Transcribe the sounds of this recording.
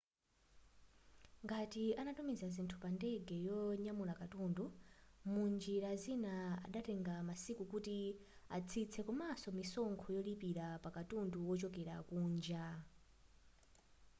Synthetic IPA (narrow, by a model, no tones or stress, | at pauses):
ŋɡatianatumizazintʰupandɛɡɛjɔɲamulakatundumund͡ʒiɾazinaa̰ɗatɛŋɡamasikukuti | a̰t͡sʰit͡sʰɛkɔmasɔmisɔŋkʰɔjɔlipiɾapakatunduwɔt͡ʃɔkɛɾa̰kuːnd͡ʒa